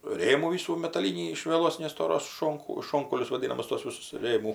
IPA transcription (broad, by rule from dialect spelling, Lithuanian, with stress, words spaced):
ˈrʲeːmuː ˈʋʲiːsuː mʲɛtɐˈlʲiːnʲiː ɪʃ ʋʲiɛˈlˠoːs nʲɛstoːˈroːs ˈʃoːŋkʊ ˈʃoːŋkɐʊlʲʊs ʋɐˈdʲiːnɐmʊs toːs ˈʋʲɪsʊs ˈrʲeːmuː